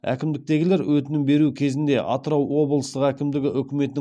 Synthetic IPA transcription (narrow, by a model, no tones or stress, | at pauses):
æ̰kʲɪmd̪ɪk̚t̪e̞ɡʲɪle̞ɾwɵt̪ɪnɪmbe̞ɾukʲʰe̞zɪnd̪e̞ʔɑt̪əɾɑwwo̞blˠəst̪əqækʲɪmd̪ɪɡʲɪʔʏkʲɪme̞t̪ɪɪ